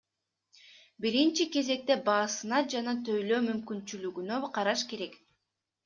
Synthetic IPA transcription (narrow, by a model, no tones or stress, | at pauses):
biɾint͡ʃike̞ze̞k̚t̪e̞bɑːsɯnɑd͡ʒɑnɑt̪ʰø̞jløːmymkynt͡ʃylyɡynøqʰɑɾɑʃke̞ɾe̞k